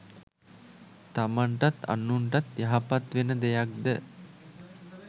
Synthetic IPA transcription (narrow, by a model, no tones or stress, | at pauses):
t̪amaɳʈat̪a̰nːuɳʈat̪jaɦapat̪ʋenəd̪ejak̚d̪ə